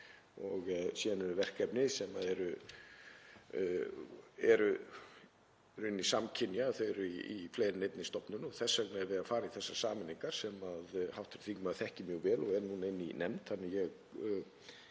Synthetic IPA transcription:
ɔɣsjɛːðanɛɾʏvɛr̥kɛpnɪsɛmaðɛɾʏ | ɛɾʏ | ɾɪnːisamcʰɪnjaθejɾʏiifleːjɾɪnejt̪nɪst̪ɔpnʏnɔɣθɛsːœknɛɾvɪðafaːɾaiθɛsːasaːmɪnːiŋkaɾ̥sɛmaðhawht̪ɪɾ̥θiŋkmaðθɛhcɪmjœːɣvɛːlɔɣɛɾnunɪnːḭnɛmt̪θanːɪjɛɣ

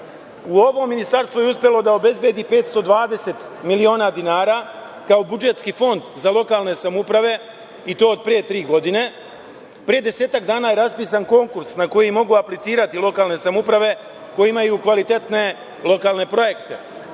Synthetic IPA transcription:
uo̞ʋo̞mːinist̪aɾst̪ʋujeuspʲje̞lo̞d̪ao̞be̞zbje̞ːd̪ipe̞ːt̪st̪o̞d̪ʋaːd̪e̞se̞t̪milio̞ːnaːd̪inaːɾa | kao̞bud͡ʒet̪skifo̞nd̪zalˠo̞kaːlˠne̞samupɾaʋe̞ | it̪o̞ːod̪̚pɾije̞t̪ɾiːɡo̞d̪ine̞ | pɾije̞d̪e̞se̞ːt̪akd̪aːnaːje̞ɾaspiːs̬anko̞ŋkuɾsnako̞jimo̞ɡuaplit̪siːɾat̪ilo̞kaːlˠne̞samupɾaʋe̞ | ko̞jimajukʋalit̪e̞t̪ne̞ | lo̞kaːlˠne̞pɾo̞je̞kt̪e̞

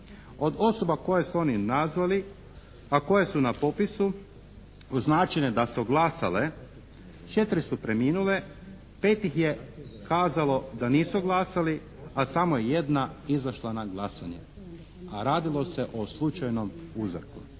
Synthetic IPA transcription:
o̞d̪o̞so̞bako̞je̞suo̞ninazʋali | ako̞je̞sunapo̞pisu | uznaːt͡ʃined̪asuɡlˠasa̰le | t͡ʃe̞t̪ɾisupɾe̞miːnule̞ | pe̞ːt̪ixje̞kaːzalo̞d̪aniːsuɡlˠasali | asamojeje̞d̪naizaʃlˠanaɡlˠasaɲḛ | aɾaːd̪ilˠo̞se̞ʔoslˠut͡ʃajno̞muzɾku

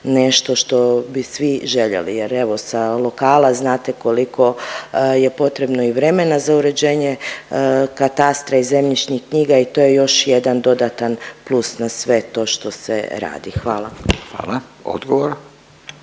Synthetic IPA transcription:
ne̞ʃt̪o̞ʃt̪o̞bisʋiʒe̞ʎḛlḭjeɾe̞ʋo̞salˠo̞kaːlaznaːt̪e̞ko̞likʰo̞je̞po̞t̪ɾe̞bno̞iʋɾe̞me̞nazauɾe̞d͡ʑeːɲe | kat̪ast̪ɾaize̞mʎit͡ʃɲihkɲiːɡait̪o̞ːje̞jo̞ʃje̞d̪and̪o̞d̪at̪anplˠusnasʋe̞t̪o̞ʃt̪o̞sḛɾa̰ːd̪ixʋaːlˠaxʋa̰ːlˠao̰d̪ɡoʋoɾ

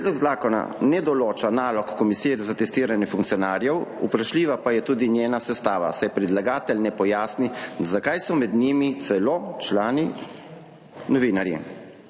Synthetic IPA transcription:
pɾed̪lɔɡzaːkɔna̰nɛd̪ɔloːt͡ʃanaːlɔkːɔmisijɛzat̪ɛst̪iːɾanjɛfuŋkt̪sijɔnaːɾjɛwṵpɾaʃliːʋapajɛt̪uːd̪injeːnasɛst̪aːʋa̰sɛjɛpɾid̪laɡaːt̪ɛlnɛpɔjaːsnizakajsɔmɛd̪nimit̪sɛlot͡ʃlaːni | nɔʋiːnaɾjḭ

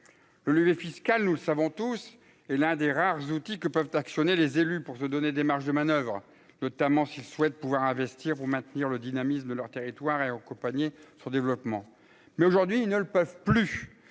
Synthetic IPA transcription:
lɔlivefiskalnuləsavɔ̃t̪us | ɛlɛ̃d̪eʁaʁzut̪ikəpœvt̪aksjɔnelezelypuʁsəd̪ɔned̪emaʁʃd̪əmanœvʁ | nɔt̪amɑ̃silswɛt̪̚puvwaʁɛ̃vɛst̪iʁpuʁmɛ̃t̪niʁləd̪inamisməd̪əlœʁt̪eʁit̪waʁeakɔ̃paɲesɔ̃d̪evlɔpmɑ̃ | mɛoʒuʁd̪ɥiːlnələpœvply

